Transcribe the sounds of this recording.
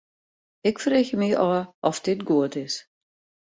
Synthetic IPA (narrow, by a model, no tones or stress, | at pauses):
ɪkfərɪçəmiʔɔʔɔfdɪtɡuətɪs